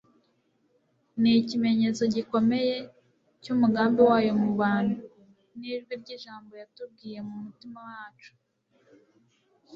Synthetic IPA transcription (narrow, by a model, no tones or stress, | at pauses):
nicime̞ɲe̞t͡so̞ɟiko̞me̞je̞ | cumuɡaːmbewaːjo̞muβaːnu | niʒɡwiɾɟiʒaːmbo̞jatubɡiːje̞mumutimawaːt͡ʃu̥